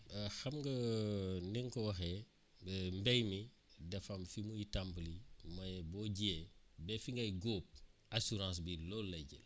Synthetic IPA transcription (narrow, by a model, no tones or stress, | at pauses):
xɐmɡɐniŋkɔwɐxe | bɛmbejmi | dɛfɐmfimujitampəlimɐjbɔːɟiebɛfiŋɡɐjɡoːp̚asuɾãːs̬bilolːɐɟḭl